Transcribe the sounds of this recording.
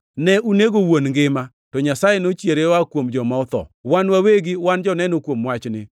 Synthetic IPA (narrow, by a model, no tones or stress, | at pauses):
nɛʔuneɡowonŋɡɪma | tɔɲasajenot͡ʃjeɾewakwomd͡ʒɔmaɔt̪ɔ̰wanwaweɡɪwand͡ʒɔnɛnokwomwat͡ʃnɪ